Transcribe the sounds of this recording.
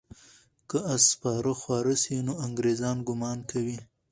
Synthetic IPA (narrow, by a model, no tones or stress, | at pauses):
kəaspɑɾəxwɑɾəsinoaŋɡɾezɑnɡʊmɑnkawi